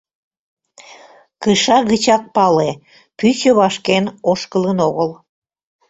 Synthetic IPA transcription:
kəʃɑɣət͡ɕɑk̚pɑle | pyɕəβɑʃkenoʃkələnoɣəl

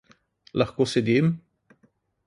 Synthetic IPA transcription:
lɐxkosed̪im

